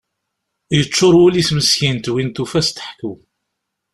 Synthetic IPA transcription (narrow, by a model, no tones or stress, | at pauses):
jət͡ʃːoɾˤwuliθməsçint̪wint̪ufæst̪ə̥ħkːuw